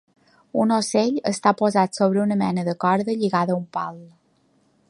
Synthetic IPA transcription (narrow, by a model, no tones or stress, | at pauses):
unoseʎəst̪apozat̪soβɾəunəmɛnəðəkɔɾðəʎiɣaðəumpalˠ